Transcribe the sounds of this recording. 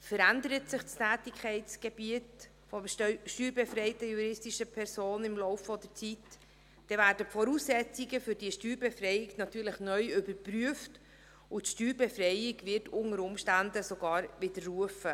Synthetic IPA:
fəɾændəɾətsɪχt͡stʰæːtɪkʰɛɪtt͡sɡ̥eb̥iət | fɔʃtyːɾbɛfɾɛɪtəjuɾɪstiʃəpʰɛɾsoːnɪmlɔʊfːɔdəɾt͡sit | d̥ɛvæːɾdəfɔɾuːsːɛt͡siɡəfʏɾdiːəʃtyːɾbɛfrɛjɪɡnɑtyːɾləχnœʏʏbəɾpryəft | ʊtʃtyːɾbɛfrɛɪɪɡvɪɾtʊŋəɾʊmʃtændəsoɡ̥ɑːɾvɪdəɾːuəfə

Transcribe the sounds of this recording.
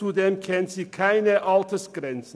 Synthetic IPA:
uːd̪ɛmkʰɛnsiːkʰæɪnəʔɑlt̪ʰəsɡɾɛns

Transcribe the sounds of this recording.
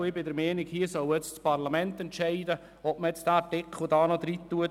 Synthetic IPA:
ɪbɪdəɾmɛːnɪkhiːəsɔwɛt͡st͡spɑɾlamɛnt̪ɛntt͡ʃɛɪdə | ɔpməɛt͡sd̥aːtɪkχlʊdɑːnɔd̪ɾit̪ːuə

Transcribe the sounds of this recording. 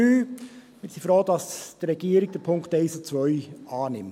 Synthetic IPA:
yː | mɪɾsifɾoːdɑsd̥əɾɛɡ̥iəɾɪɡ̚d̥əpʰʊŋkteɪsot͡sʋœʏʔɑːnɪmt

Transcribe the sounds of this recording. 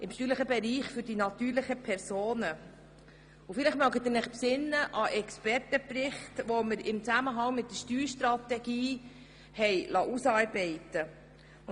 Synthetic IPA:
ʔɪmʃtyːɾləχəbɛɾiːχfʏɾd̥inɑt̪yːɾlɪχəpʰɛɾsoːnə | ufɪlɪχmœɡət̪ɪnæχpsɪnːəʔɑʔɛkspɛɾtəpɾɪχtʋɔməɾɪmt͡sæməɦɑŋmɪt̚dəʃtyːɾʃtɾɑt̪ɛɡ̥iː | hɛjlɑʔusɑːɾbɛɪt̪ə

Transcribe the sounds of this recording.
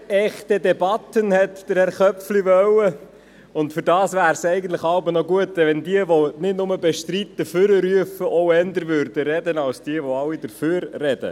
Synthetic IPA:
ɛχt̪ədɛbɑt̪ənhɛt̪d̥əɾhɛɾχœpfliʋœwə | ʊntfɵɾdɑːsʋæːɾsɛɪɡəntləχɑʊbənɔɡuətːəʋɛndiəʋɔnɪdnʊməbɛʃtɾit̪ːəfʏɾəɾyəfəʔɔʊɛnd̪əɾvʉɾdəɾɛdənɑlsd̥iəʋɔɑlːid̥əføːɾːɛd̥ə̰

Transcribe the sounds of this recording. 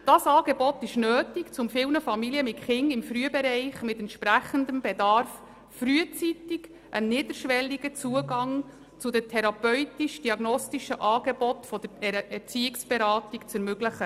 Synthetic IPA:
d̥ɑsɑːɡɛbɔtɪʃnøːtikt͡sʊmfɪlnəfɑmiliəmɪtχɪŋɪmfryəbɛɾɛɪχmɪtɛnt̪ʃpɾæχəndəmbɛdɑɾf | fryət͡sitiɡ | ʔənːɪːdəɾʃʋɛlːiɡət͡suəɡɑŋ | t͡sʊd̪ətʰɛɾɑpœʏtiʃd̥iɑɡnɔstiʃəʔɑːɡ̥ɛbɔtfɔd̪̥əɛɾɛt͡siɪksb̥ɛɾɑːtikt͡sɛɾmɵɡləχə

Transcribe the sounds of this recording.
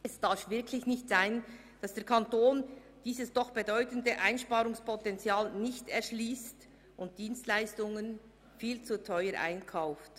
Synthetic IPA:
ɛsd̥aɾfvɪɐkʰlɪçnɪçtz̥aɪn | d̥ɑsd̥eːɐkʰantoːn | d̥iːzəsd̥ɔχb̥edɔʏtən̩dəʔaɪnʃpaːʁʊŋspʰɔtɛnt͡sjaːlnɪçtɛʁʃliːst | ʔʊnt̚d̥iːnstlaɪstʊŋən | fiːlt͡sutʰœʏəɾʔa̰ɪnkʰaʊft

